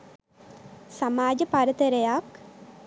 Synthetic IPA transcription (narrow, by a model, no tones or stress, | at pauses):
samaːd͡ʒəpaɾət̪əɾejak